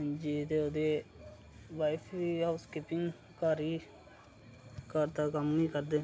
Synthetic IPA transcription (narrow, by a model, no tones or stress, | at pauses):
d͡ʒiːt̪eːoːd̪eː | ʋaːɪpʰʋiːaːʋskɪpɪŋɡ | kaːɾiː | kəɾt̪aːkəmniːkəɾd̪eː